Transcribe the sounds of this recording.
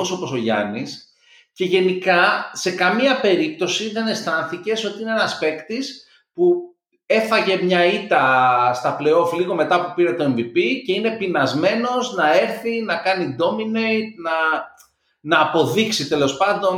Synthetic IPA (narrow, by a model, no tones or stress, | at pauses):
oso̞po̞so̞ʝɐ̰nis | ce̞ʝe̞nikɐse̞kɐmiɐpe̞ɾip̚t̪o̞siðe̞ne̞st̪ɐnθice̞so̞t̪iineenɐspe̞kt̪is | pu | e̞θɐʝe̞mɲɐit̪ɐst̪ɐple̞o̞fliɣo̞met̪ɐpupiɾe̞t̪o̞e̞ɱvipice̞ine̞pinɐzme̞no̞znɐe̞ɾθinɐkɐnid̪o̞minejt̪̚nɐ | nɐːpo̞ðiksit̪e̞lo̞spɐnd̪o̞n